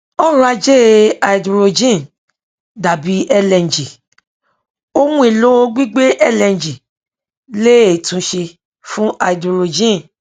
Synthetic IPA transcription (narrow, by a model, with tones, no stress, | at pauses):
ɔ˦ɾũ˦a˧d͡ʒe˦a˨i˨dɾo˧d͡ʒĩ˦˨n | da˨bi˨˦ʔɛ˧lɛ̃˨n˨d͡ʒi˨ | o˦mũ˦e˨lo˦o˧˦ɡ͡bi˦ɡ͡be˦ʔɛ˦lɛ̃˨n˨d͡ʒi˨ | le˦e˨tũ˨˦ʃe˧ | fũ˦a˨i˨dɾo˨˧d͡ʒĩ˦˨n